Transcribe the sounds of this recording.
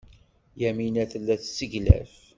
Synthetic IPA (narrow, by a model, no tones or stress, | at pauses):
jæminæθəlːæθsːəʝlæ̰f